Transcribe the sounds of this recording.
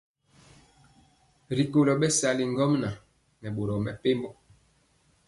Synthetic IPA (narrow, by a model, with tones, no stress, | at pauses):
ɾi˨ko˨lɔ˨ɓɛ˦sa˨li˨ŋɡɔ˦mna˨ | nɛ˨ɓo˨ɾɔ˨mɛ˨pe˦mbɔ˦